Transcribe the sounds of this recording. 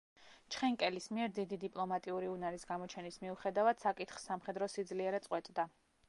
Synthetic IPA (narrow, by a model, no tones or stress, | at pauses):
t͡ʃʰχɛŋkʼɛlismiɛɾd̪id̪id̪ipʼlˠɔmat̪ʼiuɾiunaɾisɡamɔt͡ʃʰɛnismiuχɛd̪avad̪̥sakʼit̪χsamχɛd̪ɾɔsid̪zliɛɾɛt̪sʼqʼwɛt̪ʼd̪a